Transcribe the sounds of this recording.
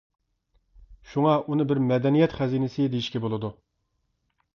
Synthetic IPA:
ʃuŋɑʔunɨbɪɾmɛd̪ɛnijɛt̪χɛzinɪsɪd̪ejiʃkʲɛbolˠɨd̪u

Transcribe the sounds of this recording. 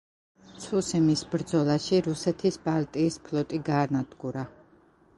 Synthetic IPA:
t̪sʰusɛmisbɾd̪zɔlˠaʃiɾusɛt̪ʰisbalˠt̪ʼiːspʰlˠɔt̪ʼiɡaːɾnad̪̥ɡuɾa

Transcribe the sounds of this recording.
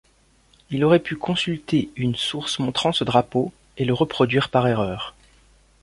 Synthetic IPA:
ilɔʁɛpykʰɔ̃sylt̪eynsuʁsmɔ̃t̪χɑ̃səd̪ʁapo | eləʁəpχɔd̪ɥiːʁpaʁeʁœːʁ

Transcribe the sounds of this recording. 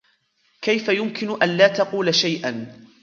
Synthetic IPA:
kajfajʊmkɪnʊʔanlaːt̪ɑquːlaʃajʔan

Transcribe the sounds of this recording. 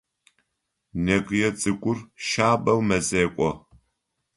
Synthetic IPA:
nɐɡjɛt͡sʼɨkʷʼʊrʃaːbɐwmɐzeːkʷʼɔ

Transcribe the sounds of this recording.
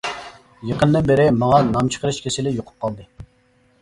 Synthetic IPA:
jəqʰənd̪ɨnbɪɾɪmɑŋɑnɑmt͡ʃʰə̥qʰəɾɨʃkʲʰesɪlɪjoqʰʊ̥p̚qʰɑlˠd̪ɨ

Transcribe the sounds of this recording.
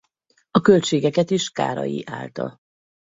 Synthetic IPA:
ɒkølt͡ʃeːɡɛkɛt̪iʃka̰ːɾɒ̰jḭʔaːlt̪ɒ̰

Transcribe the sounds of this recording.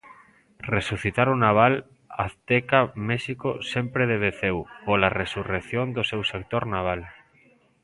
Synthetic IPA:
resuθit̪aɾʊnaβ̞al | aθt̪ekamɛʃikosempɾeðeβeθewpolaresurekθjond̪osewsek̚t̪oɾnaβ̞al

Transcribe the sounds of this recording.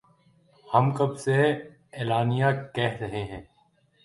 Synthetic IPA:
hɐmkɐbse | ɛːlaːnijãkɛɦɾɐɦeɦɛ̃ː

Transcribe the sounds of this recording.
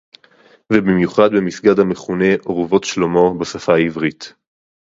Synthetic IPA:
vebimjuχad̪bemisɡad̪hame̞χune̞ʔoʁvo̞tʃlomo̞basafaaivʁit

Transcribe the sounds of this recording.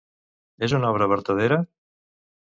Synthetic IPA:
ezunɔβɾəβəɾt̪əð̞eɾə

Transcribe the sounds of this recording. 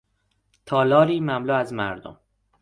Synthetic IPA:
t̪ʰɒːlɒːɾiːmæmluːæzmæ̰ɾd̪o̰m

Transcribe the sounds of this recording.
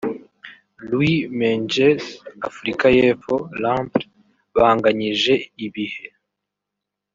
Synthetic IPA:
lwimeɲd͡ʒesafuɾikaje̞ːfo̞lampɾ | βaːŋɡaɲiʒe̞iβihe̞

